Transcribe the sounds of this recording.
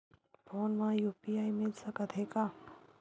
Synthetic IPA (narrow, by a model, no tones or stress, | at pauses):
fʰoːnmãjuːpiaimelsəkət̪ʰeka